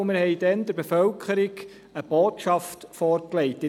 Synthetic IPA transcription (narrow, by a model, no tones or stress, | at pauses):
mɪɾhɛɪd̥ɛnd̥̪əɾbefœlkʰəɾɪɡ | əb̥oːtʃɑftfɔːɾklɛɪtːɪ